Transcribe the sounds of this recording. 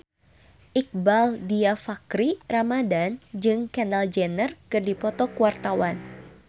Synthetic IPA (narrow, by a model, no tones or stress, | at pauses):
ʔik̚baldiafakɾiramadand͡ʒɨŋkɛndald͡ʒɛnərkɨrdipɔt̪ɔkuwart̪awan